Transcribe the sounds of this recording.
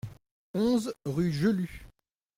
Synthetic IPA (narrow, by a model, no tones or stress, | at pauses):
ɔ̃zʁyʒəly